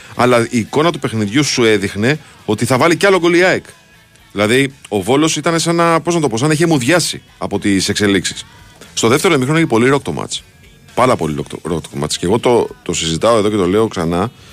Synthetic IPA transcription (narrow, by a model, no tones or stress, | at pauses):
ɐ̰lɐiːko̞nɐt̪̬upe̞xniðʝusue̞ðixne̞ | o̞t̪iθɐvɐliceɐloɡoliɐjk | ðilɐðio̞vo̞lo̞sit̪ɐne̞sɐnɐpo̞znɐt̪oo̞s̬ɐnɐeçemuðʝɐsḭ | ɐpo̞t̪ise̞kse̞liksi̥sst̪o̞ðe̞ft̪eɾomixɾoneçipo̞liɾo̞k̚t̪omɐ̰t̪t͡s | pɐɾɐpo̞̰liɾo̰ɾokt̪omɐ̰t̪t͡sce̞ɣo̞t̪o̞t̪o̞sizit̪ɐo̞e̞ðo̞cet̪o̞le̞oksɐ̰nɐ